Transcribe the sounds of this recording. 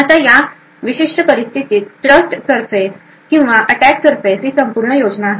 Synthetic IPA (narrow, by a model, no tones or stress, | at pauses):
at̪aja | ʋiɕiʂʈəpəɾist̪ʰit̪iːt̪̚ʈɾəsʈsəɾfes | kĩw̃ʋaʔəʈæksəɾfesɦiːsəmpuɾɳəjod͡znaːɦe